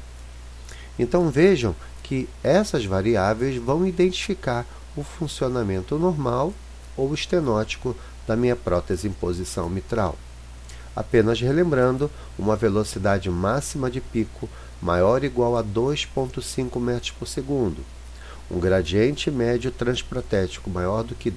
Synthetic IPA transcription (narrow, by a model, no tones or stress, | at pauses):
ẽnt̪ɐ̃w̃veʒɐ̃w̃ | kʰɪɛsɐzvaɾiavejzvɐ̃w̃id̪ẽnt͡ʃi̥fikaɾ | ʊfũsionamẽnt̪ʊnoɾmaw | owɪʃt̪enɔt͡ʃi̥kʊ | d̪̥ɐmĩɲɐpɾɔt̪ezɪĩpozisɐ̰̃w̃mit̪ɾa̰w | a̰pẽnɐzhelẽmbɾɐ̃nd̪ʊ | ṵ̃mɐvelosid̪ad͡ʒɪmasimɐd͡ʒɪpikʰʊ | ma̰jɔɾiɡwawɐd̪ojspõnt̪ʊsĩkʊmɛt̪ɾʊ̥ʃpʊɾseɡũnd̪ʊ | ṵ̃ɡɾad͡ʒiẽnt͡ʃɪmɛd͡ʒʊt̪ɾɐ̃spɾat̪ɛt͡ʃi̥kʊmajɔɾd̪ʊkɪ